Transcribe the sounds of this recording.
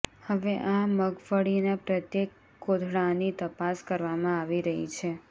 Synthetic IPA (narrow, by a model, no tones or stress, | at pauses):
həʋeʔaməɡfəɽinapɾət̪jekː | od̪ʱɽanit̪əpaskəɾʋamãaʋiɾəɦḭt͡ʃʰe